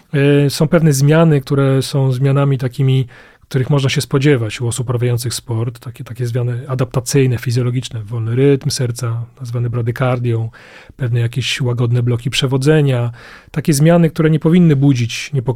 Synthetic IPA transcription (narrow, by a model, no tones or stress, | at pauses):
sɔ̃w̃pɛvnɛzmʲjanɘk̚t̪uɾɛsɔ̃w̃zmʲjanamʲit̪akʲimʲi | kt̪uɾɘxmɔʐnaɕɛspɔd͡ʑɛvat͡ɕuɔsupːɾavʲjajɔnt̪sɨxspɔɾt̪ːakʲɛt̪akʲɛzmʲjanɘad̪ap̚t̪at̪sɘjnɛfʲizʲjɔlɔɡʲit͡ʂnɛvɔlnɘɾɘt̪msɛɾt̪sanazvanɛbɾad̪ɘkaɾd̪ʲjɔ̃w̃ | pɛvnɛjakʲeɕwaɡɔd̪nɛblɔkʲipʂɛvɔd̪zɛɲat̪akʲɛzmʲjanɘk̚t̪uɾɛɲɛpɔvʲinːɘbud͡ʑit͡ɕɲɛpɔ